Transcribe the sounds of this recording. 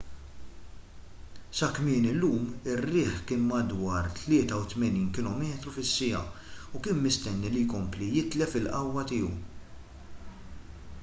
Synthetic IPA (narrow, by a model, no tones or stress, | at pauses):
sɐkmɪːnɪlːuːmɪrːɪːħkɪːnmɐd̪wɐːɾt̪lɪːt̪ɐwt̪mɛniːnkɪlɔːmɛːt̪ɾufɪsːɪjɐ̰ | ʊkɪːnmɪst̪ɛnːilijkɔmplijɪt̪lɛfɪlʔɐwːɐt̪ɪːɔw